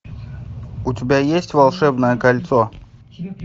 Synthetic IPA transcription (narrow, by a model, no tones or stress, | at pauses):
ʊtʲɪbʲajesʲtʲvɐlˠʂɛbnəjəkɐlʲt̪so